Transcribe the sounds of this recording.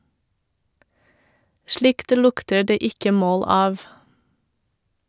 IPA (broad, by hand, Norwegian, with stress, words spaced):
ˈʃlɪkt ˈlʊktə ˈɖeː ˈɪkə ˈmoːl ˈɑːʋ